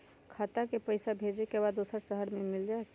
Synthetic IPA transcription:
kʰat̪akepəɪsabʱed͡ʒekebad̪ːosəɾsəɦəɾmemild͡ʒak

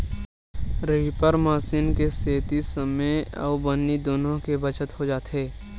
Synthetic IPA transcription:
ɾɪipəɾmaːsiːnkeseːt̪isəmeɔ̰ːbənːid̪oːnõkebət͡ʃət̪ɦod͡ʒaːt̪ɦeː

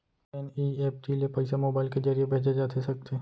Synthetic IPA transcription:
ɛniːeːp̚ʈiliepɛɪsemoːbaːɪlked͡ʒɐɾijebʱeːd͡ʒed͡ʒaːt̪ʰesɐk̚t̪eː

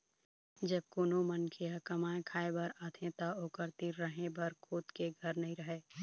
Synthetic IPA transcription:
d͡ʒɐb̚koːnomənkʰeakɐmaːẽkʰaːebɐɾat̪ʰẽt̪aoːkəɾt̪iːɾːəɦẽbɐɾkʰoːt̪keɡʱɐɾnɐɦĩɾəɦeː

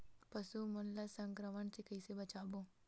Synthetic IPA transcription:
pɐsumʊnlasə̃ŋkɾəməɳsekɐisebɐt͡ʃaːbõː

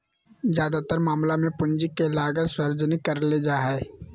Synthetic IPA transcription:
zjaːd̪at̪əɾmaːmlamẽpʊ̃nd͡ʒɪkːelaːɡəɾswɐɾd͡ʒnikɐɾled͡ʒaːɦɛe

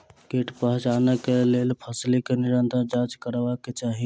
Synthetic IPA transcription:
keʈpəɦt͡ʃanəkelelpʰəslikeniɾənt̪ə̃d͡ʒãd͡ʒkəɾbaket͡ʃaɦi

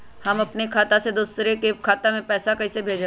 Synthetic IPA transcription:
hɐmɐpnekʰaːt̪ased̪ʊsɾekekʰaːt̪amẽpɛːsakɐɦisebʱeːd͡ʒ

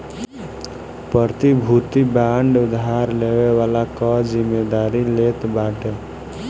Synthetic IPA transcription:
pəɾt̪ibʱut̪ibaɳɖʊd̪ɦaɾleʋeʋalakʌzimed̪aɾilet̪baʈe

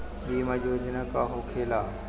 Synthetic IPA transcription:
ɓiːməd͡ʒʱod͡ʒɪnə̃kaːɦokʰeːlaː

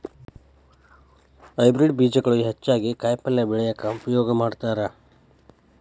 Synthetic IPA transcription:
ɐjbɾiɖbiːd͡ʒɐɡɐɭoɦɐt͡ʃːaːɡikaːjpɐlːebiɭɛjɐkːɐupɾɐjoːɡɐmaːɖt̪aːɾa

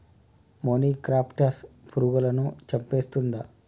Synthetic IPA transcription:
moːniːkɾaːpʈɐspuɾuɡɐlɐnut͡ʃɐmpeːst̪und̪a

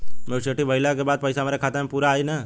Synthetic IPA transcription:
meʃeːʈibɐɪlakebaːd̪̚pɐɪsamaːɾekʰaːt̪emẽpuːɾaːinaː

